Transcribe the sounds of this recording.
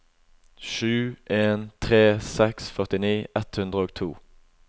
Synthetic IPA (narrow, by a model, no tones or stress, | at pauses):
ʃʉːʔeːnt̪ʰʁeːsɛksfœʁt̪ɪniːʔɛt̪hʉnd̪ʁəoːɡt̪ʰuː